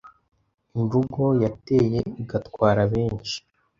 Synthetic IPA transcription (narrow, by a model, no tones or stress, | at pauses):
iɱvuɡo̞jate̞ːje̞iɡatkwaːɾaβe̞ːnt͡ʃi̥